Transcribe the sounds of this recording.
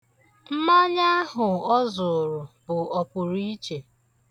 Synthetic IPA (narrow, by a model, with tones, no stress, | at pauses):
m̩˦ma˦ɲa˦a˦ɦʊ˨ɔ˦zʊ˨ɾʊ˨bʊ˨ɔ˨pʊ˨ɾi˦t͡ʃe˨